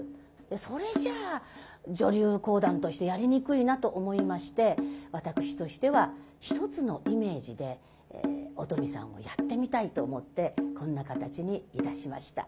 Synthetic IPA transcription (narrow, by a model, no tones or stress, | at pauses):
d̪̥e̞so̞ɾe̞ʑaː | d͡ʑo̞ɾʲɨːko̞ːd̪ãnt̪o̞ɕi̥t̪e̞jaɾʲiɲ̟ikɯ̟inat̪o̞ʔomo̞imaɕi̥t̪e̞βat̪akɯ̟̥ɕi̥t̪o̞ɕi̥t̪e̞βaçi̥t̪o̞t͡sɨno̞ʔime̞ːʑid̪e̞̰ | ot̪o̞mʲisã̰ɰ̃o̞̰jat̪ːe̞mʲit̪ait̪o̞ːmo̞t̪ːe̞kõ̞nːakat̪at͡ɕiɲ̟iit̪aɕima̰ɕi̥t̪a̰